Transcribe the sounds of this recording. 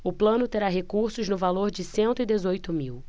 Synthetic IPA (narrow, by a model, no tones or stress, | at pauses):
ʊplɐ̃nʊt̪eɾaɦekuɾsʊznʊvaloɾd͡ʒɪsẽnt̪ʊid̪ezojt̪ʊmiw